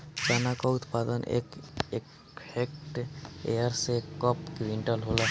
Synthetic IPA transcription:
d͡ʒanakɔut̪pad̪ənḛkekʰ | ekʈḛjaɾsekɔpkʋiɳʈəlɦolɔ

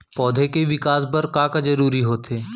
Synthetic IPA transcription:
pɔːd̪ʱekeʋɪkaːsbɐɾkãːkad͡ʒɐɾuːɾiɦoːt̪ʰeː

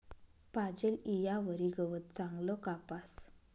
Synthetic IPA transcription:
pad͡ʑelijaʋəɾiɡəʋət̪̚t͡saŋɡlɔkapas

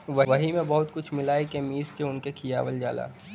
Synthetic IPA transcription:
ʋɐʋɐɦimẽbɐɦʊt̪kʊt͡ʃʰmɪlaːjkemiːskeʊnkekʰijaːʋəld͡ʒa̰ːla̰ː

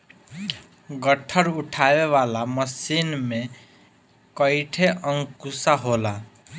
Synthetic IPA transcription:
ɡəʈʰəɾuʈʰabeʋalaməsinme | kəɪʈʰeəŋkusaɦola

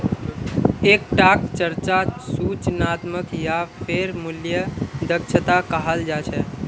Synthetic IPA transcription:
ek̚ʈakt͡ʃəɾt͡ʃasut͡ʃnat̪məkjapʰeɾmʊljəd̪əkʃʰət̪akəɦald͡ʒat͡ʃʰɛ

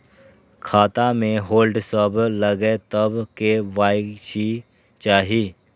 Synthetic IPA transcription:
kʰaːt̪amẽɦoːlɖsəbləɡet̪əbkeʋaːjʃi | t͡ʃaːɦiː

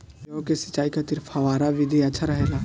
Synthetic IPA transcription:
õkesɐ̥t͡ʃːaːikat̪ɪɾfʰɐʋaːɾaʋɪd̪ʱiɐtːʃʰaɾɐɦeːlaː

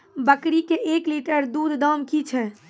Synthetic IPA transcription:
bəkɾikeʔekliʈəɾd̪ud̪ʱd̪əmkit͡ʃʰɛ

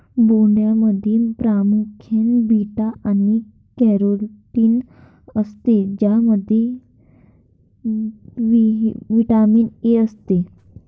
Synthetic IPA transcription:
boɳɖjaməd̪ʱiːnpɾamukʰenbiʈaʔani | kɛɾolʈiːn | əst̪ed͡ʑaməd̪ʱːje | ʋiʋiʈamiːneəst̪e

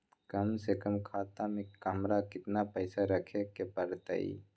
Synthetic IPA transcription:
kɐmsekəmkʰaːt̪amẽkamɾakɪt̪napəɪsaɾəkʰekepəɾt̪ə̰ḭː

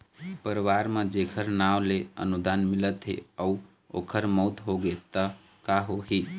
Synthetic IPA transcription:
pəɾʋaɾmãd͡ʒekʰəɾnaʋleə̰nud̪anmilət̪ɦḛəu | o̰kʰəɾmɔt̪ɦoɡet̪ə | kaɦoɦi

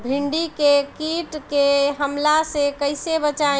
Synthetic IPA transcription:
bʱiɳɖikekiʈkeɦəmlasekəɪsebət͡ʃa

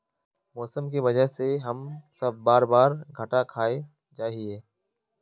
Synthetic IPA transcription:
mɔːsəmk̬iʋɐd͡ʒəɦseɦɐmsɐb̚ːaːɾbaːɾɡʱəʈakʰaːe | d͡ʒaːɦieː

